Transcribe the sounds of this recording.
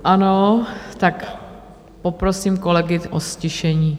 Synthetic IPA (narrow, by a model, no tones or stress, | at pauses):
ʔanot̪ak | popɾosiːmkolɛɡɪʔoscɪʃɛɲiː